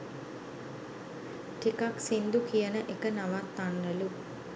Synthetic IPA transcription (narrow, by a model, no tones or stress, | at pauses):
ʈikaksind̪ukijənəʔekənaʋat̪ːanːəlu